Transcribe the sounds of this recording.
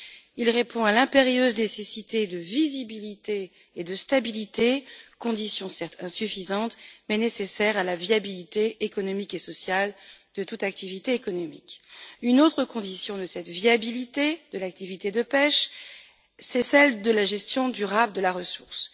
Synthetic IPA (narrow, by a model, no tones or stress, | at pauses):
ilʁepɔ̃alɛ̃peʁjøznesesit̪ed̪əvizibilit̪eː | d̪əst̪abilit̪ekɔ̃d̪isjɔ̃sɛʁt̪ɛ̃syfizɑ̃t̪mɛnesesɛʁalavjabilit̪eekɔnɔmikesɔsjald̪̥ət̪ut̪ak̚t̪ivit̪eːkɔnɔmḭkynot̪χəkɔ̃d̪isjɔ̃d̪əsɛt̪viabilit̪ed̪əlak̚t̪ivit̪ed̪əpɛʃ | sɛsɛld̪əlaʒɛst̪jɔ̃d̪yʁabd̪əlaʁəsuʁs